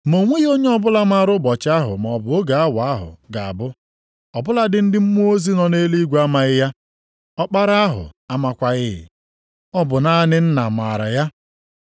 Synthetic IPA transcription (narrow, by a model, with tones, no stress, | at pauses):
mo˨ŋʷe˦ɣo˦ɲe˦ɔ˦bʊ˦la˦ma˦ɾʊ˦bɔ˨t͡ʃa˦ɦʊ̰˨m˨ɔ˨bʊ˨o˦ɡa˨a˦wa˦ɦʊ̰˨ɡa˨a̰˨bʊ˦ | ɔ˨bʊ˦la˦dɪ˨n̩˦dɪ˦m̩˦mu˦o˦zi˦nɔ˨ne˦li˦ɡʷa˦ma˨ɣɪ˦ja˦ | ɔ˦k͡pa˦ɾa˦a˦ɦʊ̰˨a˦ma˨kʷa˦ɣɪ˦ɦɪ̰˨ | ɔ˦bʊ˨na˦nɪ˦n̩˦na˨ma˨ɾa̰˨ja˦